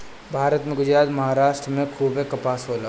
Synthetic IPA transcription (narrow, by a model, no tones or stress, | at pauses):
bʱaːɾət̪mẽɡʊd͡ʒɾaːt̪mɐɦaːɾaːʃʈɾəmẽkʰuːbekɐpaːsɦoːlaː